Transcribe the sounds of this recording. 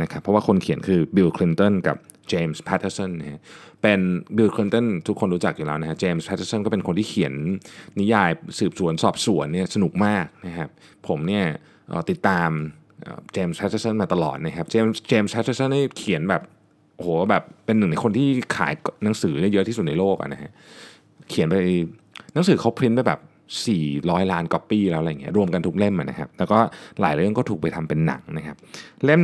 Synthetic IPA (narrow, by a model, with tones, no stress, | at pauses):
na˦˥kʰa˦˥pʰːɔ˦˥waː˥˩kʰo˧nkʰi˨˩˦ənkʰɯː˧bi˧wkʰli˧˦˥nt̪o˥˩nka̰˨˩p̚ | t͡ɕeː˧mspʰɛ˦t̪ʰːə˧˥sɔ˥˩nːa˦˩a˦˥pe˧nbi˧wkʰli˧˥nt̪ɔ˥˩nt̪ʰu˦˥kʰːo˧nɾu˦˥t͡ɕa˨˩k̚juː˨˩lɛː˦˥wna˦˥kʰa˦˥p̚t͡ɕeː˧mspʰːt̪ʰːə˧˥snkɔː˥˩pe˧nko˧nt̪iː˥˩kʰi˩˦ənːi˦˥jaː˧jsɯː˨˩p̚su˨˩˦ənsɔ̰ː˨˩p̚su˩˦ənːi˥˩ɐsa˧nu˨˩k̚maː˥˩k̚na˦˥kʰa˦˥p̚ʰː | o˩˦mni˥˩ɐ | ʔə̰ː˨˩t̪i˨˩t̪ːaː˧m | ʔə̰ː˨˩t͡ɕeː˧msʰa˦˥t̚sa˧˥sə˥˩nmaː˧t̪a˧lɔ̰ː˨˩t̪̚na˦˥kʰa˦˥p̚t͡ɕeː˧mt͡ɕeː˧msʰa˦˥t̪̚sʰa˧˥sə˥˩nːdaː˥˩jkʰi˨˩˦ənbɛː˨˩p̚ | ʔo˨oː˩˦˥bɛː˨˩pːe˧nːɯ˨˩ŋna˧jkʰo˧nt̪ʰiː˥˩kʰa̰ː˩˦jna˩˦ŋsɯː˩˦daː˥˩jɤ˦˥ʔ̪ʰiː˥˩su˨˩t̪̚na˧jloː˥˩k̚ʔa̰˨˩na˦˥kʰa˦˥ʔ | kʰi˨˩˦npa˧jna˨˩˦ŋsɯː˩˦kʰa˦˥wpʰɾi˦˥npa˧˩jbɛ̰ː˨˩p̚ | siː˨˩ɾɔː˦˥jlaː˦˥nkɔ˦˥piː˧˩lɛː˦˥wʔjːi˦˥ɐɾu˧əmka˧nt̪ʰu˦˥kle˥˩mʔa̰˨˩na˦˥kʰa˦˥p̚lɛː˦˥wkɔː˥˩la̰ː˩˦jɾɯ˥˩əŋkɔ˥˩u˨˩kpa˧jt̪ʰa˧mpe˧nːa̰˩˦ŋna˦˥kʰa˦˥p̚le˥˩m